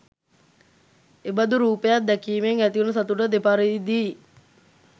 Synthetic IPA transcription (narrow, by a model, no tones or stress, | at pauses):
ebɐd̪uɾuːpejat̪d̪ækiːmeŋæt̪iunəsat̪uʈəd̪epaɾeid̪iː